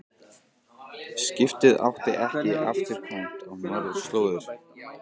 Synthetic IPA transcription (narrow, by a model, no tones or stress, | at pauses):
scɪft̪ɪða̰wht̪ɪʔɛhcɪaft̪ɪɾ̥kʰant̪ɔɣnɔɾʏ̥st̪loːwðʏɾ̥